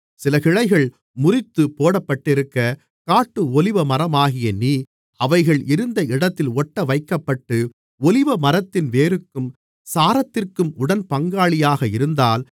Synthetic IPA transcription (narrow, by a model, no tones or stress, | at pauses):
sɪlɐkɪɻɐɪɣɐɭ | mʊrɪt̪ːɯpoːɽɐpːɐʈːɪɾɯkːɐ | kaːʈːɯɔlɪʋɐmɐɾɐmaːɣɪjɐniː | ɐʋɐɪɣɐɭɪɾɯnd̪ɐɪɽɐt̪ːɪlɔʈːɐʋɐɪkːɐpːɐʈːɯ | ɔlɪʋɐmɐɾɐt̪ːɪnʋeːɾɯkːɯm | saːɾɐt̪ːɪrkɯmʊɽɐnpɐŋɡaːɭɪjaːɣɐɪɾɯnd̪aːl